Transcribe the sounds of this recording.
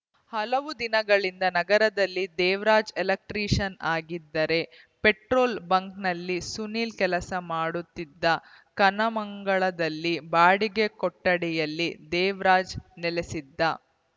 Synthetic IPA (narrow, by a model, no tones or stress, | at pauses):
hɐlɐʋud̪inɐɡɐɭind̪ɐnɐɡɐɾɐd̪ɐlːid̪ɛːʋɾaːd͡ʒelɐk̚ʈɾiːʂɐnaːɡid̪ːɐɾe̞ | peʈɾoːlbɐŋknɐlːisuniːlkɛlɐsɐmaːɽut̪ːid̪ːɐ | kɐnɐmɐŋɡɐɭɐd̪ɐlːibaːɽiɡekɔʈːɐɽɛjɐlːid̪ɛːʋɾaːd͡ʒnɛlesid̪ːɐ